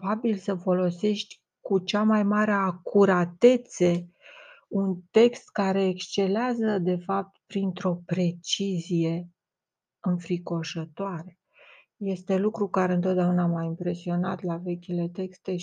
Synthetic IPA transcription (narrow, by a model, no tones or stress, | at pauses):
babilsəfo̞lo̞se̞ʃt̪ʲ | kut͡ʃamajmaɾeakʰuɾat̪e̞t̪se̞ | unt̪e̞kst̪kaɾe̞ːkst͡ʃe̞leazəd̪e̞fap̚t̪pɾint̪ɾo̞pɾe̞t͡ʃizije̞ | ɨɱfɾiko̞ʃət̪oaɾe̞ | je̞st̪e̞lukɾukaɾe̞ɨnt̪od̪aunamajimpɾe̞sio̞nat̪lave̞kʲile̞t̪e̞kst̪e̞